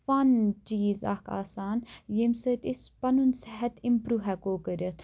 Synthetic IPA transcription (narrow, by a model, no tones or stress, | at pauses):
fɐnt͡ʃiːza̰ka̰ːsaːnjemsət̪ispɐnunsɛɦɐt̪ʰimpɾuːʋɦɛkoːkəɾɐt̪ʰ